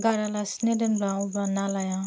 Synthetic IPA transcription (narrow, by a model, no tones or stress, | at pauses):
ɡaɾalasnedənbaɔbanalaja